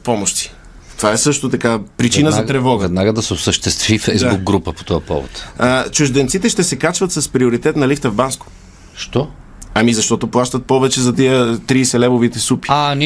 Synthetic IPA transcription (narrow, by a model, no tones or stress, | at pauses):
pɔmoʃt̪i̥ | t̪ovaɛsɤʃt̪ot̪ɐkapɾit͡ʃinəzɐt̪ɾɛvɔɡɛd̪naɡəd̪ɐsɛosəʃt̪ɛst̪vifɛjzabuk̚ɡɾupəpo̥t̪ɔjɐpɔ̰vo̰t̪ət͡ʃʊʒd̪ɛnt̪sit̪ɛʃt̪ɛsɛkat͡ʃvɐt̪sɐspɾioɾit̪ɛt̪nɐlift̪əvbansko̥ | ʃt̪ɔ | ɐmizɐʃt̪ɔt̪oplˠaʃt̪ət̪̚pɔvɛt͡ʃɛzɐt̪ijət̪ɾiːsɛlɛvovit̪ɛsupi̥an